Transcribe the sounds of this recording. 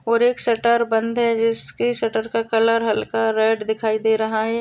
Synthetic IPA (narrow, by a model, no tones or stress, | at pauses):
ɔːɾeːksɐʈəɾbɐ̃nd̪ɦɛd͡ʒɪskisɐʈəɾkakɐləɾɦɐlkaɾɛːɖd̪ɪkʰaːid̪eːɾɐɦaɦɛː